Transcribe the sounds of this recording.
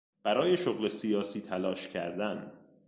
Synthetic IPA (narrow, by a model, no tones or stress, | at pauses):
b̥æɾɒːje̞ʃoɣle̞sijɒːsiːt̪ʰælɒːʃcʰæ̰ɾd̪æn